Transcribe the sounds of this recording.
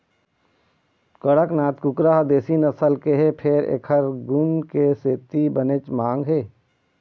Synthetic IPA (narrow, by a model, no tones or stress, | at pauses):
kəɽəknaːt̪kʊkɾaɦd̪eːsinɐsəlkeɦepʰeɾḛːkʰəɾɡʊnkeseːt̪ibənet͡ʃmãːŋɡɦeː